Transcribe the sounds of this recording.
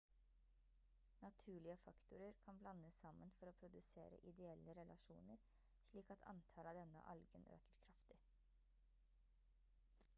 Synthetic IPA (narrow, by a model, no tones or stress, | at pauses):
nɑt̪ʰʉːɭɪəfɑkt̪ʊɾəɾkʰɑnblɑnːəsɑmːənfɔɾoːpʰɾʊd̪ʉsḛːɾə̰ʔɪd̪ɛɛlːəɾɛlʔɑʂṵːnəɾ | ʂɭiːkɑt̪ʰɑ̰nt̪ʰɑlɑːd̪ɛnə̰ʔɑ̰lɡənø̰ːkəɾkʰɾɑft̪ɪ